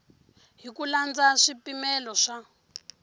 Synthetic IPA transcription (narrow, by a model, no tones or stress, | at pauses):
ɦikuland͡zaʂipimɛlɔʂa